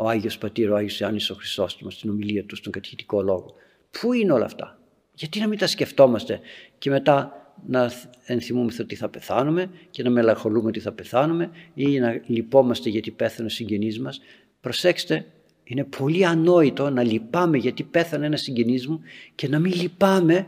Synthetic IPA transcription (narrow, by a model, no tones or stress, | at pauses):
oɐʝiospɐt̪iɾoɐʝioseɐniso̞xɾist̪o̞st̪umɐst̪ino̞miliɐt̪ust̪oŋɡɐt̪çit̪i̥ko̞lo̞ɣo̞ | pʰuineo̞lɐ̰ft̪ɐ̰ | ʝɐt̪inɐmint̪ɐsce̞ft̪o̞mɐst̪e̞ce̞me̞t̪ɐnɐenθimumesθot̪iθɐpe̞θɐnume̞ce̞nɐme̞lɐŋxo̞lumeo̞t̪iθɐpe̞θɐnume̞inɐlipo̞mɐst̪e̞ʝɐt̪ipe̞θɐnesiɲɟe̞nizmɐs | pɾo̞sekse̥t̪e̞ | ine̞pʰo̞liɐno̞it̪o̞nɐlipɐme̞ʝɐt̪ipe̞θɐneenɐsiɲɟe̞nizmuce̞nɐmilipɐme̞